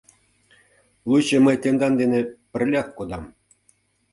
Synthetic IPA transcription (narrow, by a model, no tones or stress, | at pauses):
lˠuɕɘ̆mɤ̆jt̪ʲend̪ɑnd̪enʲĕpʲɘ̆rʲlʲɑkkod̪ɑm